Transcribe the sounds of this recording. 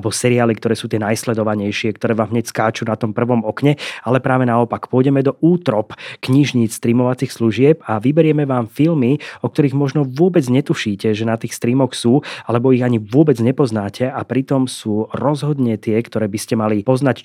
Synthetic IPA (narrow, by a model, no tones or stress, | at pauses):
bɔsɛɾiaːlikt̪ɔɾɛːsuːt̪ɪɛnajslɛd̪ɔʋaɲɛjʃɪɛkt̪ɔɾɛːʋaːmɦɲɛcskaːt͡ʃuːnat̪ɔmpr̩ʋɔmɔkɲɛalɛpɾaːʋɛnaɔpakpʊɔjɟɛmɛd̪ɔʔuːt̪ɾɔpkɲiʒɲiːt͡sst̪ɾiːmɔʋat͡sixsluʒɪɛpaʋibɛɾɪɛmɛʋaːmfilmiɔkt̪ɔɾiɣmɔʒnɔʋʊɔbɛd͡zɲɛt̪uʃiːcɛʒɛnat̪iːxst̪ɾiːmɔxsuːalɛbɔiɣaɲiʋʊɔbɛd͡zɲɛpɔznaːcʰɛʔapɾit̪ɔmsuːɾɔzɦɔd̪ɲɛt̪ɪɛkt̪ɔɾɛːbiscɛmalipɔznac